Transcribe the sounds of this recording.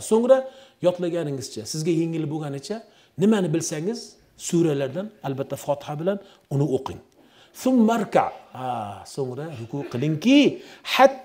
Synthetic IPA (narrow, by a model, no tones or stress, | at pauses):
soŋɾajɒt̪laɡʲanɪŋɪz̥t͡ʃʰasɪzɡʲajeŋɪlɪboɡʲanɪt͡ʃʰa | nɪmanɪbɪlsaŋɪz | suɾalaɾd̪analbat̪ʰːafɒt̪ʰɪ̥habɪlan | ʊnɪoqʰɪ̰ŋ | θʊmːaɾka̰ʕasoŋɾahʊkʊqʰɨlˠɪŋkʲɪħat̪ː